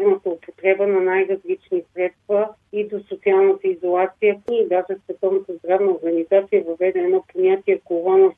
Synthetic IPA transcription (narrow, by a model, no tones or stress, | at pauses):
nət̪əopot̪ɾɛbənɐnajɾɐzlit͡ʃnisɾɛt̪stt̪və | id̪osot̪sialˠnət̪əizolˠat̪sijəid̪aʒɛsvɛt̪ɔvnət̪əzd̪ɾavnəoɾɡənizat̪sijəvɐvɛd̪ɛːnɔponʲat̪iɛkovˠaɔnɐ